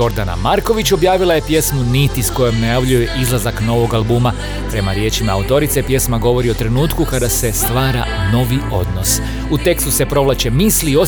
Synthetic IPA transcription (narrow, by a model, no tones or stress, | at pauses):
o̞ɾd̪ana̰maɾko̞ʋit͡ɕo̞bjaːʋilˠaje̞pje̞smunit̪isko̞jomnajaʋʎujeʔizlˠazakno̞ʋo̞ɡalˠbuːma | pɾe̞maɾje̞ːt͡ʃimaːut̪o̞ɾit̪se̞pje̞smaɡo̞ʋo̞ɾio̞t̪ɾe̞nuːt̪kukad̪ase̞st̪ʋaːɾa̰ | no̞ʋio̞̰d̪no̞s | ut̪e̞kst̪use̞pɾo̞ʋlˠat͡ɕe̞mislio̞